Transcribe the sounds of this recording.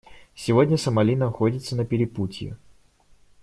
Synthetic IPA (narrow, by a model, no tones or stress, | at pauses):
sʲɪvodʲnʲəsəmɐlʲinəxodʲɪt̪sənəpʲɪɾʲɪputʲjɪ̰